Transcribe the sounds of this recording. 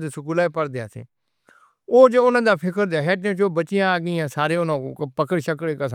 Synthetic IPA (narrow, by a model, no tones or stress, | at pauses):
d̪esəkuːlaːepəɾd̪ea̰ːsḛː | oːd͡ʒoʊnãːd̪aːpʰɪkəɾd̪eaːɦɛːʈːt͡ʃoːbətːt͡ʃːɪjãːaːɡiːãːsaːɾeːʊnãːpəkəɽʃəkɽeːkəs